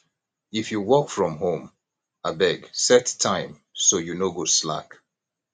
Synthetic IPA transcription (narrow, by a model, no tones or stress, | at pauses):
ifjuwɔkfɹɔ̃mɦõm | abɛɡsɛttʰːãɪ̃m | sojunoɡosla̰k